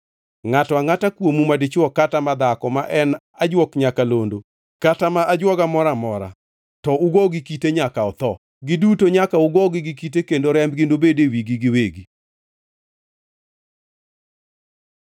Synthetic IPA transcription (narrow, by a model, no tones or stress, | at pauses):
ŋatɔaŋatakwomumadɪt͡ʃɔkatamad̪akɔmaʔɛn | ad͡ʒwɔkɲakalondo | katamaʔad͡ʒwɔɡamɔɾamɔɾa̰ | tɔʊɡɔɡɪkiteɲakaɔt̪ɔ | ɡɪdutoɲakaʊɡɔɡɪɡɪkitekendoɾɛmbɡɪndobedewiɡiɡɪweɡi